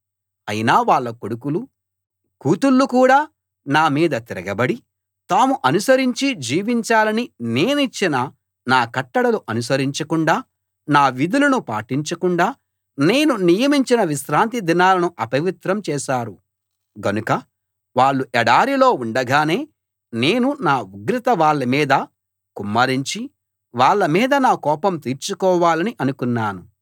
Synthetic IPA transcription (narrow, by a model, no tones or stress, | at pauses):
ɐjinaːʋaːɭːɐkoɽukulu | kuːt̪ulːukuːɽaː | naːmiːd̪ɐt̪iɾɐɡɐbɐɽi | t̪aːmuʔɐnusɐɾiɲt͡ʃid͡ʒiːʋiɲt͡ʃaːlɐnine̞ːnit͡ʃːinɐ | naːkɐʈːɐɽɐluʔɐnusɐɾiɲt͡ʃɐkuɳɖaː | naːʋid̪ulɐnupa̰ːʈiɲt͡ʃɐkuɳɖaː | ne̞ːnunijɐmiɲt͡ʃinɐʋiʃɾaːnt̪id̪inaːlɐnuʔɐpɐʋit̪ɾɐmt͡ʃɛːʃaːɾu | ɡɐnukɐ | ʋaːɭːuʔɛɽaːɾilo̞ːuɳɖɐɡaːne̞ː | ne̞ːnunaːuɡɾit̪ɐʋaːɭːɐmiːd̪ɐ | kumːɐɾiɲt͡ʃi | ʋaːɭːɐmiːd̪ɐnaːkɔːpɐmt̪iːɾt͡ʃukɔːʋaːlɐniʔɐnukunːaːnu